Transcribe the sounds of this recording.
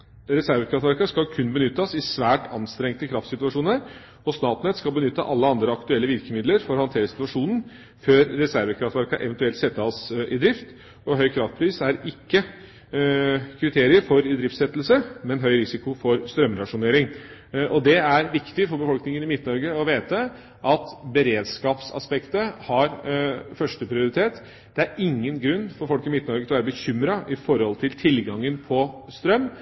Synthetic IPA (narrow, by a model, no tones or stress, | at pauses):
ɾɛsæɾʋəkʰɾɑft̪ʋæɾkɑskɑlkʰʉnbənʏt̪ːəsɪsʋæːʈɑnst̪ɾɛŋt̪əkʰɾɑft̪sɪt̪ʉɑʂuːnəɾ | ɔsnɑːt̪nɛt̪skɑlbənʏt̪ːə̰ʔɑlːəɑnd̪ɾəɑkt̪ʉɛlːəʋɪɾkəmɪd̪ləɾfɔɾhɑnt̪ʰeːɾəsɪ̥t̪ʋɑʂuːnn̩ | føːɾːɛsæɾʋəkʰɾɑft̪ʋæɾkɑʔɛ̰ʋənt̪ʉɛlt̪sɛt̪ːəɑsɪd̪ɾɪft̪ | ɔɦœʏkʰɾɑft̪̚pʰɾiːsæɾɪkːə | kʰɾɪt̪ʰeːɾɪəɾfɔɾɪd̪ɾɪft̪sɛt̪ːl̩səmɛnɦœʏɾɪsɪkʊfɔɾst̪ɾœmɾɑʂʊneːɾɪŋʔɔd̪ɛæɾʋɪkt̪ɪfɔɾbəfɔlknɪŋənɪmɪt̪nɔɾɡəɔʋeːt̪ə | ʔɑt̪bəɾeːd̪skɑːpsɑ̰spɛkt̪əhɑɾfœʂʈəpʰɾɪʊɾɪt̪ʰeːt̪ | d̪̥ɛæɾɪŋːənɡɾʉnːfɔɾfɔlkɪmɪt̪nɔɾɡət̪ʰɔʋæːɾəbəçʏmɾɑʔɪfɔɾhɔlt̪ʰɪlt̪ʰɪlɡɑŋːənpʰɔst̪ɾœmː